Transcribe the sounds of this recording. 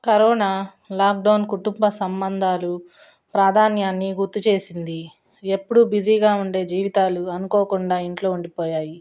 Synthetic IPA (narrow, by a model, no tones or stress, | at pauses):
kɐɾɔːnaː | laːk̚ɖɐwnkuʈumbɐsɐmbɐnd̪ʱaːlu | pɾaːd̪ʱaːnjaːnːiɡuɾt̪ːut͡ʃe̞ːsind̪i | epːuɽubid͡ʒiːɡaːuɳɖe̞ːd͡ʒiːʋit̪aːluɐnukoːkuɳɖaːiɳʈlo̞ːuɳɖipɔːjaːji